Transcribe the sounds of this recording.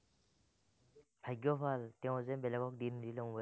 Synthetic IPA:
bʱajɡjɔpʰaltɛʊ̃zɛbɛlɛɡɔk̚dindilɔ̃ŋbɔ

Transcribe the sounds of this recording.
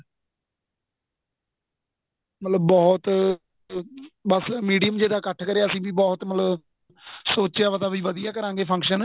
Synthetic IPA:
mət̪ləbːɔːt̪ | bəsmiːɖijəmd͡ʒeːd̪aːkəʈʰkəɾejaːəsĩːbiːbɔːt̪mət̪ləb | soːt͡ʃjaːpət̪aːbiːʋəd̪ɪjaːkəɾãːŋɡeːpʰə̃ŋkʃən

